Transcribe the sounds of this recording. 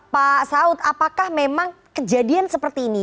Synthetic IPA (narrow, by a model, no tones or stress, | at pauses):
pasaʊt̪̚apakahmemaŋ | kəd͡ʒadiansəpərt̪iːni